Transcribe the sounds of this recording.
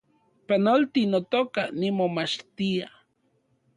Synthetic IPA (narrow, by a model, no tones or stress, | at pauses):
panolt̪inot̪okanimomat͡ʃt̪ia